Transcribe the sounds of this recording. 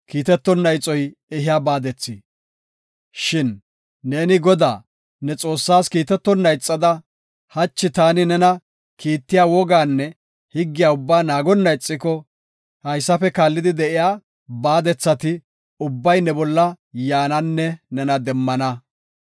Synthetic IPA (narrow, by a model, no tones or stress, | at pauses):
kiːt̪ɛt̪ːɔnːɐjt͡sʼɔjɛɦɪjaːbaːd̪ɛt͡sːɪ | ʃɪnː | eːnɪɡɔd̪a̰ː | nɛt͡sʼo̞ːsːaːskiːt̪ɛt̪ːɔnːɐjt͡sʼːɐd̪ɐ | hɐt͡ʃːɪt̪aːnɪnɛnɐ | kiːt̪ːɪjaːwɔɡaːnːɛ | hɪɡːɪjaːʊbːaːnaːɡɔnːɐjt͡sʼːɪkɔ | hɐjsːɐfɛkaːlːɪd̪ɪd̪ɛʔɪjaː | baːd̪ɛt͡sːɐt̪ɪ | ʊbːɐjnɛbɔlːɐ | jaːnɐnːɛnɛnɐd̪ɛmːɐnɐ